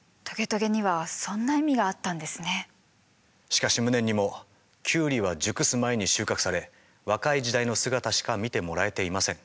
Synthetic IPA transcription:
t̪o̞ɡe̞t̪o̞ɡe̞ɲ̟iβasõ̞nːaimʲiɡaːt̪ːãnd̪e̞sɨne̞ | ɕi̥kaɕimɯ̟nẽ̞ɲ̟ːimo̞ | kʲʰɨːɾʲiβad͡ʑɨkɯ̟sɨmae̞ɲ̟iɕɨːkakɯ̟̥saɾe̞ | βakaid͡ʑid̪aino̞sɨɡat̪aɕi̥kamʲit̪e̞mo̞ɾae̞t̪e̞imasẽ̞ŋ

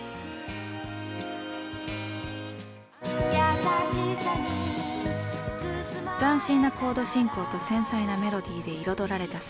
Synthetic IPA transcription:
jai | zãɰ̃ɕĩnːakʰo̞ːd̪o̞ɕĩŋko̞ːt̪o̞sẽ̞ɰ̃sainame̞ɾo̞d̪ʲiːd̪e̞iɾo̞d̪o̞ɾaɾe̞t̪as

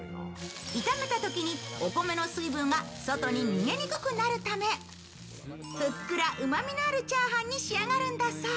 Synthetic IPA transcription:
it̪ame̞t̪at̪o̞kʲiɲ̟ioko̞me̞no̞sɨibɯ̟̃ŋɡaso̞t̪o̞ɲ̟iɲ̟iŋe̞ɲʲikɯkɯ̟naɾɯ̟t̪ame̞ | ɸɯkːɯ̟ɾaʔɯ̟mamʲinoaɾɯ̟t͡ɕaːɦãɲ̟ʲːiɕiaŋaɾɯ̟̃nd̪asa

